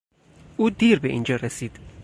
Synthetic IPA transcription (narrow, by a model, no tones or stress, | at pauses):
ʔuːd̪iːɾbeʔḭːnd͡ʒɒːɾesiːd̪̥